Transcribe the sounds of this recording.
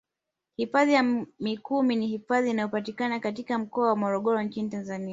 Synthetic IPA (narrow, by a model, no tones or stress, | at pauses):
hifaðijamikuminihifaðiːnajɔpatikanakatikam̩kɔawamɔɾɔɠɔɾɔɲt͡ʃinitanzania